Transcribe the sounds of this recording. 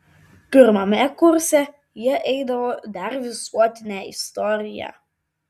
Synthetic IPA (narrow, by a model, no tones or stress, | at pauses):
pʲɪɾmɐmʲɛkʊɾʲsʲɛ | jiɛʔɛɪd̪ɐʋod̪ɑɾʋʲɪsuɔt̪ʲɪnʲæɪ̰st̪ɔɾʲɪjæ̰